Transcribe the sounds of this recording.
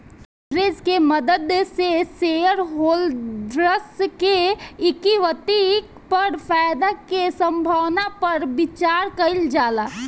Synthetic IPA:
ɾeːd͡ʒkeməd̪əd̪sesejəɾɦoːld̪ɾəskeɪkiʋət̪i | pəɾpaːjd̪akesə̃mbʱaʋnapɐɾbɪt͡ʃaːɾkɐɪld͡ʒaːla

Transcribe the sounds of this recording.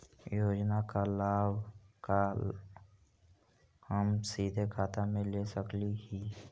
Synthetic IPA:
joːd͡ʒnakalaːbka | həmsiːd̪ʱekʰaːt̪amẽlesəkliɦiː

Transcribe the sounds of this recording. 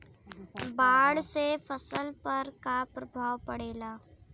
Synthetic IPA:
baːɽsefəsəlpəɾkapɾɐbʱaːʋpɐɽeːlaː

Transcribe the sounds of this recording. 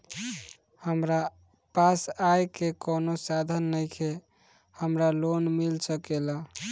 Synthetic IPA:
həmɾa | pasajkekonosad̪ʱənːəjkʰe | həmɾalonmilsəkelə

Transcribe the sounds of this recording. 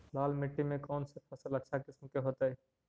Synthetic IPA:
laːlmɪʈːimẽkɔːnsepʰəsələtːʃʰakɪsmkeɦot̪aɛ

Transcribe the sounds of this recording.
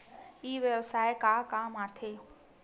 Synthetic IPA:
iːʋeʋsaːekaːkaːmaːt̪ʰeː

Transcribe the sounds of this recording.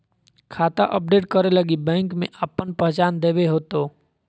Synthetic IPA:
kʰaːt̪aʔəp̚ɖeːʈkəɾeləɡibɛ̃ːŋkmḛ̃ʔəpənpəɦt͡ʃaːnd̪eːbeɦoːt̪oː

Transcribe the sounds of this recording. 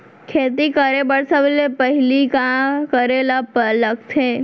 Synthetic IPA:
kʰeːt̪̬ikəɾebəɽsəʋlepəɦɪlikakəɾelapələɡ̚t̪ʰeː

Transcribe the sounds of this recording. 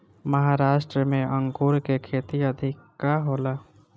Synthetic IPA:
məɦaɾaːʃʈɾəmẽʔə̃ŋkuːɾkekʰeːt̪iəd̪ʱɪkːaɦoːlaː

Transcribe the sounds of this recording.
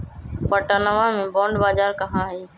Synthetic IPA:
pəʈanəʋãːmẽːbõːɳɖbaːd͡ʒaːɾkəɦãːɦiː

